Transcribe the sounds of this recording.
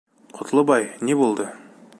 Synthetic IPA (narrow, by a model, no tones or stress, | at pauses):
qʰŏ̥t̪ʰəlˠɤbɑjnebolˠd̪ə